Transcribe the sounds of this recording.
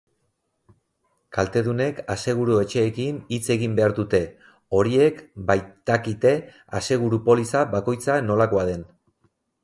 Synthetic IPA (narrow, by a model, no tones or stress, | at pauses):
kalt̪e̞ðune̞kase̞ɣ̞uɾue̞t͡ʃe̞ːkinit͡se̞ɣimbe̞aɾðut̪e̞ | o̞ɾie̞kbajt̪akit̪e̞ | ase̞ɣ̞uɾupo̞lisabako̞jt͡sano̞lako̞að̞e̞n